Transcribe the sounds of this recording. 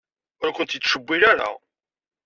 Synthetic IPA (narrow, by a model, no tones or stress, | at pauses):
ʊɾækʷʊnt̪jit͡s̪ːʃəbʷːilæɾa̰